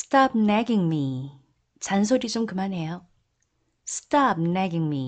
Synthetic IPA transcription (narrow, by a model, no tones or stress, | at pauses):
stʰap̚nɛɡiŋmi | t͡ɕans̬ʰoɾit͡ɕomkɯmanɦe̞jo | sʰɯ̥tʰap̚nɛɡiŋmi